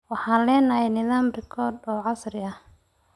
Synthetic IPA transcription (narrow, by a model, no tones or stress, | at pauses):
wɑħɑːnlɛːnɐɦɛjnɪðaːmrɪkʰɔːd̪ɔːʕɑsɾɪɐh